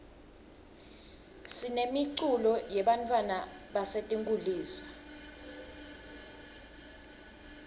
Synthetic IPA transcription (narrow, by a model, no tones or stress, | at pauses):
sinemiǀulɔjɛɓantʰʼwanaɓasetʼiŋkʼuliːsḁ